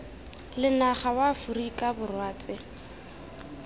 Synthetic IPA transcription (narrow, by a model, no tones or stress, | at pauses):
lɪnaχawafurikʼabʊrwaːt͡sʼɪ